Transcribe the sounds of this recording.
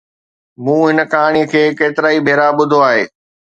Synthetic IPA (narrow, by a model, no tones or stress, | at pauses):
mũːɦɪnəkaːɽ̃iəkʰeːkeːt̪ɪɾaːibʱeːɾaɓʊd̪ʱoaːɦḛː